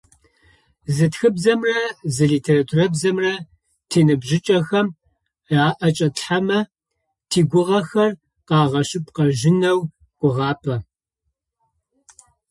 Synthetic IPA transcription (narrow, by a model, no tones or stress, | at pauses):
zɨtxɨbzɐmrɐzɨɮiːtʰeːratʰurɐbzɐmrɐ | tʰeːnɨbʑɪt͡ʃʼɐxɐm | raːʔɐt͡ʃʼɐtħamɐ | tʰiːɡʷʊʁɐxɐr | qɑːʁɐɕɪp̚ʰʼqɐʒɪnɐw | ɡ̥ʷʼʊʁɑːpʰɐ